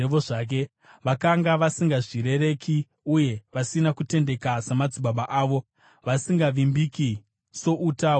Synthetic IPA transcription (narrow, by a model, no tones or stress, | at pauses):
eʋoʐak̬e̞ | ʋakaŋɡaʋasiŋɡaʐiɾe̞ɾe̞ki | uje̞ʋasinakute̞nde̞kasemad͡zubaɓaʔaːʋo̞ | ʋasiŋɡaʋimbiki | so̞ʔutaːo